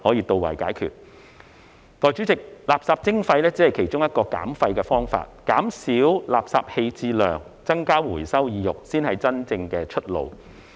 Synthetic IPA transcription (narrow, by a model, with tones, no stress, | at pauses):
hɔː˨˥jiː˧t̪o˨wɐ̰˨˩jkaː˨˥jkʰy̰ː˨t̚ | t̪ɔː˨˩jt͡ʃyː˨˥t͡sɪ˨k̚laː˨˩p̚saː˧p̚t͡sɪ˥ŋfɐ˧jlɛː˥t͡siː˨˥hɐ˨jkʰe˨˩jt͡ʃʊ˥ŋjɐ˥t̚kɔː˧ka̰ː˨˥mfɐ˧jkɛ˧fɔː˥ŋfa̰ː˧t̚kaː˨˥msiː˨˥wlaː˨˩p̚saː˧˨p̚he˧jt͡siː˧lœ̰ː˨˩ŋ | t͡sɐ˥ŋkaː˥wuː˨˩jsɐ˥wjiː˨˧jʊ˨k̚siː˥nhɐ˨jt͡sɐ˥nt͡sɪ˧ŋkɛː˧t͡ʃʰɵ˥t̚lo̰˨˧w